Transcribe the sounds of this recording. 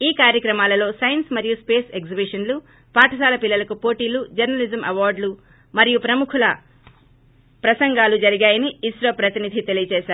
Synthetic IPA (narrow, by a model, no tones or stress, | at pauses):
iːkaːɾjɐkɾɐmaːlɐlo̞ːsɐjɐnsmɐɾijuspe̞ːseɡzibiʂɐnlu | paːʈʰɐsaːlɐpilːɐlɐkupo̞ːʈiːlud͡ʒɐɾnɐlizɐmɐʋaːɾɖlu | mɐɾijupɾɐmukʰulɐ | pɾɐsɐŋɡaːlud͡ʒɐɾiɡaːjɐniːsɾɐpɾɐt̪inid̪ʱit̪e̞lijɐt͡ʃɛːʃaːɾu